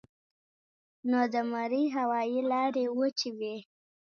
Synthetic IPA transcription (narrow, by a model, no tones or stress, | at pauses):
nod̪əmaɾiɦawɑjilɑɾewət͡ʃiwe